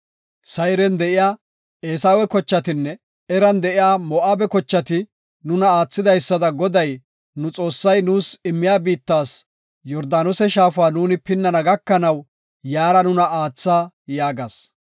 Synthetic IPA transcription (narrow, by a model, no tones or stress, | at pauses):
sɐjɾɛnd̪ɛʔɪjaː | eːsaːwɛkɔt͡ʃːɐt̪ɪnːɛ | ɛɾɐnd̪ɛʔɪjaːmɔʔaːbɛkɔt͡ʃːɐt̪ɪ | nʊnɐaːt͡sːɪd̪ɐjsːɐd̪ɐɡɔd̪ɐj | nʊt͡sʼo̞ːsːɐjnuːsɪmːɪjaːbiːt̪ːaːs | jɔɾd̪aːnɔsɛʃaːfʊaːnuːnɪpɪnːɐnɐɡɐkːɐnɐw | jaːɾɐnʊnɐaːt͡sːaː | jaːɡɐs